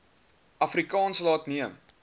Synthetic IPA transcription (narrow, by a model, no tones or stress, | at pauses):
ʔɐfrikɑːnsəlɑːtniəm